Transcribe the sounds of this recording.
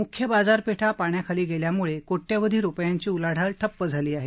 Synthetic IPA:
mukʰjəbad͡zaɾpeʈʰapaɳjakʰaliːɡeljamuɭekoʈːjaʋəd̪ʱiːɾupjaɲt͡ɕiːulaɽ̤alʈ̪ʰəpːəd͡zʱaliːaɦe

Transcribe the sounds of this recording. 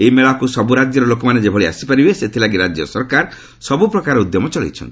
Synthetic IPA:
eimeɭakusɔbuɾad͡ʒjɔɾɔlokɔmaned͡ʒebʱɔɭia̰sipaɾibeset̪ʰilaɡiɾad͡ʒjɔsɔɾkaɾ | sɔbupɾɔkaɾeud̪jɔmɔt͡ʃɔlḭt͡ʃʰɔ̰nt̪i

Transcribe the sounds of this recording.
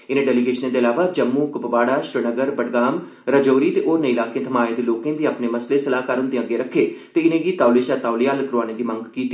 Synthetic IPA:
ɪnẽːɖɛːlɪɡeːʃnẽːd̪eːəlaːʋaːd͡ʒəmːũːkəpəʋaːɽaːʃɾənəɡəɾbəʈɡaːm | ɾəd͡ʒoːɾiːt̪eːʔoːɾnəilaːkẽːt̪ʰəmaːẽd̪eːloːkẽːd̪iːapneːməsleːsəlaːkaɾənd̪eːə̃ɡeːɾəkʰːeːt̪eːɪnẽːɡiːt̪aːʊleːʃaːt̪aːʊlijaːlkɾoaːñeːd̪iːmə̃ŋɡkiːt̪ːi

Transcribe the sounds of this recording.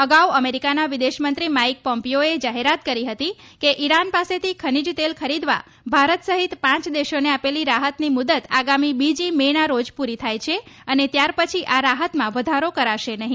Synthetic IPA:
əɡauəmeɾikanaʋid̪eʃmənt̪ɾimaik̚pɔmpijoed͡ʒaɦeɾat̪kəɾiɦət̪i | keʔiɾanpaset̪ʰikʰənid͡ʒt̪elkʰəɾid̪ʋa̰ | bʱaɾət̪səɦit̪pãt͡ʃd̪eʃoneapeliɾaɦət̪nimud̪ət̪aɡamibid͡ʒimenaɾod͡ʒpuɾit̪ʰajt͡ʃʰeənet̪jaɾpət͡ʃʰiʔaɾaɦət̪mãʋəd̪ʱaɾokəɾaʃenəɦĩ

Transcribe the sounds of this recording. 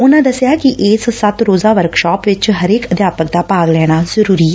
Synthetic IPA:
ʊnãːd̪əsjaːkɪʔɪːssət̪ɾoːzaːʋəɾkʃɔːpʋɪt͡ʃɦəɾeːkəd̪jaːpək̚d̪aːpaːɡlɛːɽ̃aːzəɾuːɾiːɛ

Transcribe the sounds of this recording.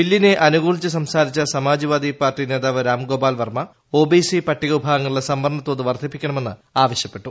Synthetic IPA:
ʋilːineʔɐnuɣuːɭit͡ɕːɐs̬ɐmsaːɾit͡ɕːɐsɐmaːd͡ʑiʋaːd̪ipaːrʈine̞ːd̪aːʋɐɾaːmɡo̞ːbaːlʋɐrmɐ | o̞ːbisipɐʈːiɣɐʋubʱaːɡɐŋːɐɭilesɐmbɐrɳɐt̪ːo̞ːðɨʋɐrd̪ʱipːikʲːɐɳɐmenːɨaːʋɐɕjɐpːe̞ʈːu

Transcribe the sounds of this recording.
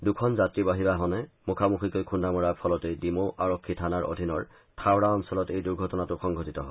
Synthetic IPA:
dukʰɔnzatɹibaɦibaɦɔnɛmukʰamukʰikojkʰundamuɹapʰɔlɔtejdimoʔaɹɔkʰːitʰanaɹʔo̰dʱinɔɹ | tʰawɹaɔnsɔlɔtejduɹɡʱɔtɔnatʊxʰɔŋɡʱɔtitɔɦɔ

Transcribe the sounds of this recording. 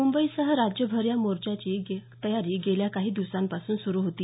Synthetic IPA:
mumbəisəɦəɾad͡ʑjəbʱəɾjamoɾt͡ɕat͡ɕiːɡet̪əjaɾiːɡeljakaɦiːd̪isampasuːnsuɾuːɦot̪iː

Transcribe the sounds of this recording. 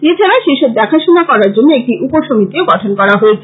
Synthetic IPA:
et͡ɕʰaɾaʃeʃeɾd̪ɛkʰaʃonakɔɾaɾd͡ʑonːoek̚ʈiʔupoʃomit̪ioɡɔʈʰonkɔɾaɦoet͡ɕʰe̥

